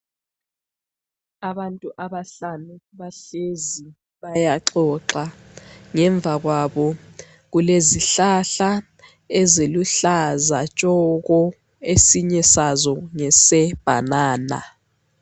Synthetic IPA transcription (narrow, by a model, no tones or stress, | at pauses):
aɓantʼuʔaɓaɬanuβaɬezi | ɓajaǃɔǁa | ŋɛɱb̪vʱaɣwaɓɔ | ɣ̬uleziɬaɬa | ɛzeluɬazat͡ʃʼɔk̬ɔ | esiɲɛsazɔŋɛsɛb̥ʱa̰naːna̰